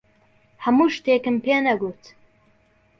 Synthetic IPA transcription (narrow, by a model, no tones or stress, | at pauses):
hɐmuːʃt̪eːkɨmpʰeːnɐɡut̪